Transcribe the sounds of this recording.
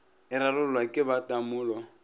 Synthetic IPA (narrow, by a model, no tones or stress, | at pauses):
ɪɾarʊlwakʼɪbatʼamʊːlɔ